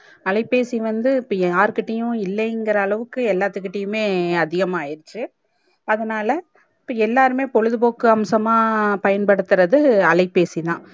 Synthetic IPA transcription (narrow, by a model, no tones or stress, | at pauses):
ɐlɐɪpːeːsiʋɐnd̪ɯpːaːɾkɪʈːɐjʊ̃ɪlːɐɛŋɡɪɾɐːɭɐʋɯkːɯɛlːaːt̪ːɯkːɪʈːɐjʊ̃meːɐðɪɣɐmaːjɪɾt͡ʃːɯ | ɐðɐnaːlɐ | pːɐɛlːaːɾɯmeːpɔɻɯðɯboːkːɯɐmsɐmaːpɐjɐnpɐɽɯt̪ːɯɾɐðɯɐɭɐɪpːeːsit̪ãː